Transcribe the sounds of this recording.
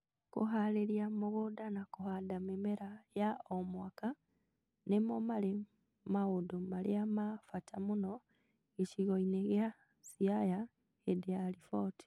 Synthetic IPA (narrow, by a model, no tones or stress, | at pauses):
kṵɦaleɾjamuɣudanakuhadamemeɾajaomwaka | nemomale | maɣudumalḛamafatʰamuno | eʃiɣoineɣja | siaja | edealifoti̥